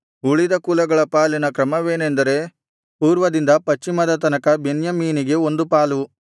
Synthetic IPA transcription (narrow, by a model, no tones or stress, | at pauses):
uɭid̪ɐkuːlɐɡɐɭɐpaːlinɐkɾɐmɐʋe̞ːnend̪ɐɾe̞ | puːɾʋɐd̪ind̪ɐpɐt͡ʃːimɐd̪ɐt̪̬ɐnɐkɐbe̞njɐmiːniɡe̞o̞nd̪upaːlu